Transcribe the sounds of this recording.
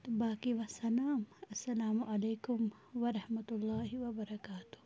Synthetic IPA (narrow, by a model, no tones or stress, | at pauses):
baːkiʋɐsɐlaːmɐsːɐlaːmʊʔɐleːkʊm | ʋɐɾɐhmɐt̪ʊlːaːɦiʋɐbɐɾɐkaːt̪ʊ̥h